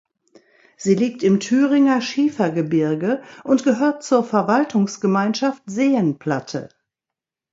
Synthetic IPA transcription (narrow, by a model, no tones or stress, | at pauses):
z̥iːliːk̚tɪmtʰyːʁɪŋɐʃiːfɐɡəbɪɐɡəʔʊntɡ̥əɦøːɐt̚t͡suːɐfɛɐvaltʰʊŋsɡ̥əmaɪnʃaftz̥eːənpʰl̥atʰə̰